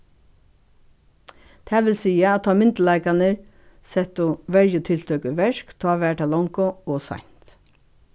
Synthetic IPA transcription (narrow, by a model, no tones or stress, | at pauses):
t̪ʰɛːʋɪlsiːaæt̪ʰɑːmɪnt̪ləlɑɪkanəɹ | sɛt̪ʊʋɛɹjət̪ʰɪlt̪ʰœkəʋɛʂkt̪ʰɔːʋæːʈaːlɔŋkʊɔsa̰n̥t̪